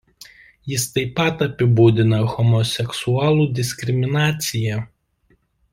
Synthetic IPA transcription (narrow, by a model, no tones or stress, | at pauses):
jɪst̪ɐɪpːɐt̪ɐpʲɪbuːd̪ʲɪnɐɣɔmɔsʲɛksuɑːlˠuːd̪ʲɪsʲkʲɾʲɪmʲɪnɑːt̪sʲɪjɛ